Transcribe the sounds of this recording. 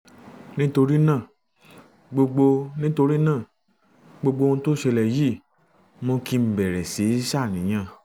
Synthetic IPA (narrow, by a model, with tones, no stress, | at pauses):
nĩ˦to˧ɾi˦nãː˦˨ | ɡ͡bo˧ɡ͡bo˧nĩ˦to˧ɾi˦nãː˦˨ | ɡ͡bo˧ɡ͡bo˧õ˧to˦ʃɛ˧lɛ˨ji˦˨ | mõ˧ki˧m̩˨bɛ˨ɾɛ˨se˨˦ʃa˦˨nĩ˨˦j̃ã˧˨